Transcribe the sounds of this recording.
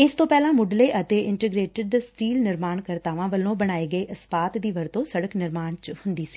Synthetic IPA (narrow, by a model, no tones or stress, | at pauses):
ɪst̪õːpɛːlãːmʊɖleːʔət̪eːɪɳʈəɡɾeːʈəɖsʈiːlnɪɾmaːɳkəɾt̪aːʋãːʋəlõːbəɽ̃aːeːɡəeːʔəspaːt̪d̪iːʋəɾt̪õːsəɽəknɪɾmaːɳt͡ʃhʊnd̪iːsi̥ː